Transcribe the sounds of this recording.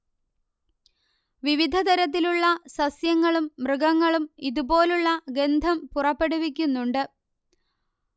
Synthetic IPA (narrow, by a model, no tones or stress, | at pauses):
ʋiʋid̪ʱɐt̪ɐɾɐt̪̬ːiluɭːɐsɐsjɐŋːɐɭumːrɨɡɐŋːɐɭumiðubo̞ːluɭːɐɡe̞nd̪ʱɐmpurɐpːe̞ɽuʋikʲːunːuɳɖɨ